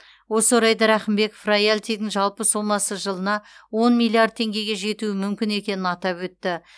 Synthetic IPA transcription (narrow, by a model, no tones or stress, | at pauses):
wo̞səɾɑjd̪ɑɾæχɪmbe̞kfrajalʲt̪ijd̪ɪŋʒɑlˠpəsomɑsəʒəlˠənɑwo̞nmʲilʲˠːiard̪̚t̪ʰe̞ŋɡʲe̞ɡʲe̞ʒe̞t̪uɪmʏmkʲɪne̞kʲe̞nɪnɑt̪ɑpwɵt̪ːɪ